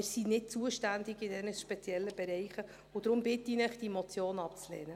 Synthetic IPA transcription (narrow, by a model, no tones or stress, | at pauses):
ɪsinɪt̚t͡suəʃtændɪɡɪdɛnəʃpɛt͡sjɛlːəbɛɾɛjχə | ʊd̥̪ɾʊmbɪtːinɛχd̥imɔt͡sjoːnɑpt͡slɛːnə